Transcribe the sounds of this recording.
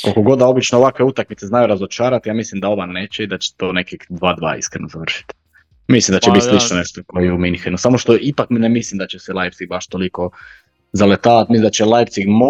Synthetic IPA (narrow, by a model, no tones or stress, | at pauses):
kokoɡo̞d̪ao̞bit͡ʃnooʋakʋe̞ut̪akmit̪seznajuɾazot͡ʃaːɾat̪jaːmislimd̪ao̞ʋane̞ːt͡ɕeid̪at͡ɕe̥t̪oːne̞kixd̪ʋaːd̪ʋa̰ːḭskɾenozaʋr̩ʃi̥t̪ | mislimd̪at͡ʃebit̪slit͡ʃnoneʃt̪okojejeuminxenusamoʃt̪o̞ipakminemislimd̪at͡ɕeselˠajpsiɡbaʃt̪o̞liko̞ | zalet̪aːʋat̪misimd̪at͡ɕelˠajpsiɡmo